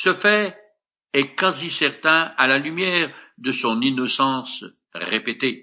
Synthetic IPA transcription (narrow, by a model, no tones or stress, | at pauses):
səfɛ | ɛkazisɛʁt̪ɛ̃alalymjɛːʁd̪əsɔ̃ninɔsɑ̃s | ʁepet̪e